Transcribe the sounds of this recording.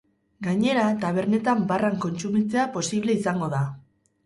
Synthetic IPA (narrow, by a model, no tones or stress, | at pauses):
ɡaɲe̞ɾat̪aβ̞e̞ɾne̞t̪ambaraŋko̞nt͡sumit͡se̞apo̞siβ̞le̞isaŋɡo̞ða